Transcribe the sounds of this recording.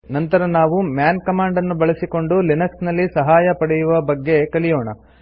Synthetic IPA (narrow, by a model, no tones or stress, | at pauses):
nɐnt̪ɐɾɐnaːʋumjaːnkɐmaːɳɖɐnːubɐɭɐsiko̞ɳɖulinɐksnɐlːisɐɦaːjɐpɐɽɛjuʋɐbɐɡːe̞kɐlijoːɳɐ̰